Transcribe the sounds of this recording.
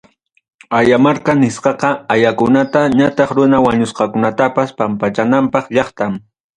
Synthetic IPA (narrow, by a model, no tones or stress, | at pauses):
ajamaɾkanɪsqɑqɑajakʊnat̪aɲat̪ɑχɾʊnawaɲʊsqɑkʊnat̪apaspampat͡ʃanampɑχʎɑχt̪am